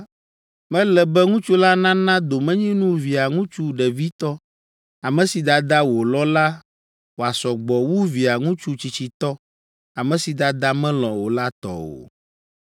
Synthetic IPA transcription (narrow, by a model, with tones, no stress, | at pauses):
mɛ̃˦lɛ˨bɛ˦ŋũ˦t͡ʃu˦la˦nã˦nã˦d̪o˨mɛ̃˦ɲĩ˦nũ˦vi˨a˨ŋũ˦t͡ʃu˦ɖɛ˨vi˦t̪ɔ˦ | a˨mɛ̃˦si˨d̪a˨d̪a˦wo˨lɔ˦la˦ | wo˨a˨sɔ˨ɡ͡bɔ˨wu˦vi˨a˨ŋũ˦t͡ʃu˦t͡ɕi˨t͡ɕi˨t̪ɔ˦ | a˨mɛ̃˦si˨d̪a˨d̪a˦mɛ̃˦lɔ̃˨wo˨la˦t̪ɔ̰˨o̰˨